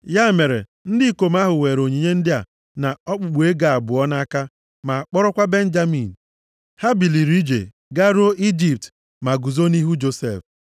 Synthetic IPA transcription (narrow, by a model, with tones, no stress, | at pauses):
ja˦me˨ɾḛ˨ | n̩˦dɪ˦ko˨ma˦ɦʊ˨we˨ɾo˨ɲi˨ɲe˦n̩˦dɪ˦a̰˨ | na˨ɔ˦k͡pʊ˨ɡ͡bu˨e˦ɡa˨a˨bʊ˨ɔ˦na˦a˦ka˦ | ma˨a˨k͡pɔ˦ɾʊ˦kʷa˦be˦n̩˦d͡ʒa˦mi˨n̩˨ | ha˦bi˨li˨ɾi˦d͡ʒḛ˨ | ɡa˦ɾo˦ʔi˦d͡ʒi˦p̚t | ma˨ɡu˨zo˦ni˦ɦu˦d͡ʒo˦sḛ˨f